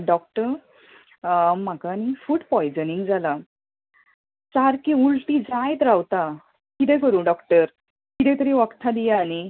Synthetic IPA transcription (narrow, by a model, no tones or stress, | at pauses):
ɖɔk̚ʈəɾ | m̤akanifuːʈpɔjd͡zəniŋɡd͡zʱala | t͡saɾkiulʈid͡zajt̪ɾawt̪a | kit̪̬ɛ̃kəɾuːnɖɔkʈəɾ | kit̪ɛ̃t̪əɾiʋakt̪ʰad̪ijaːñi